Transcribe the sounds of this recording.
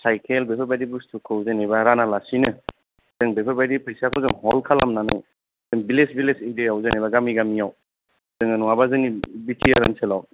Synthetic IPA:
sajkʰelbepʰɯɾbajdibustʰukʰɯwzanibaɾanalasinɯ | z̥ɯŋbepʰɯɾbajdipʰejsijakʰɔzɯŋhɔlkʰala̰mnanɯ̰ | zɯŋbilesbilesijdejawzanibaɡamiɡamijaw | zɯŋanuŋabazɯnibitʰiaɾanselaw

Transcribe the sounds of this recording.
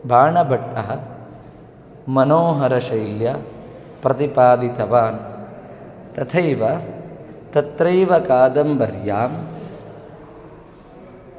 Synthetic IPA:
bʱaːɳɐbʱɐʈːɐɦɐ̆ | mɐnoːɦɐɾɐʃɐjljɐ | pɾɐt̪ipaːd̪it̪ɐʋaːn | t̪ɐt̪ʰɐjʋɐ | t̪ɐt̪ɾɐjʋɐkaːd̪ɐmbɐɾjaːm

